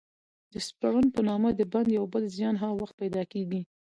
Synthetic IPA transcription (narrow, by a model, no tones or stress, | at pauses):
d̪̥əspaɾanpənɑmad̪əband̪jawbəlzjɑnɦaɣwaxt̪̚pajd̪ɑkeɡi